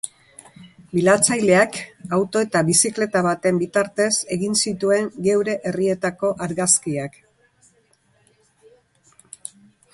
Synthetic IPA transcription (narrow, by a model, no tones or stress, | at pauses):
bilat͡sajle̞akawt̪o̞e̞t̪aβisikle̞t̪aβat̪e̞mbit̪aɾt̪e̞se̞ɣinsit̪ue̞ŋɡe̞wɾe̞ʔerie̞t̪ako̞ʔaɾɣaskiak